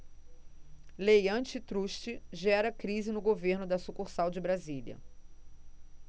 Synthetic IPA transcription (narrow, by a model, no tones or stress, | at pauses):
lejɐ̃t͡ʃɪt̪ɾuʃt͡ʃɪʒɛɾɐkɾizɪnʊɡoveɾnʊd̪ɐsukuχsawd͡ʒɪbɾaziliɐ̰